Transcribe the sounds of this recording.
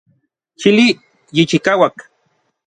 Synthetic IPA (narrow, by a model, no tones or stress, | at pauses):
ʃili | jit͡ʃikawak